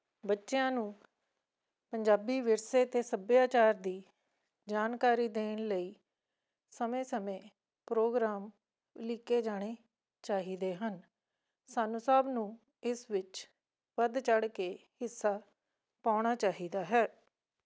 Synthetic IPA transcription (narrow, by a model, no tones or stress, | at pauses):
bətːʃejãːnũː | pəɲd͡ʒaːbiːʋɪɾseːt̪eːsəbjaːt͡ʃaːɾd̪iː | d͡ʒaːnkaːɾiːd̪eːnləiː | səmẽːsəmẽː | pɾoːɡɾaːm | lɪkeːd͡ʒaːɽ̃eː | t͡ʃaːɦiːd̪eːɦən | saːnũːsəbnũː | ɪsʋɪt͡ʃ | ʋəd̪t͡ʃəɽkeːhɪsːaː | paːʊɽ̃aːt͡ʃaːɦiːd̪aːɦɛː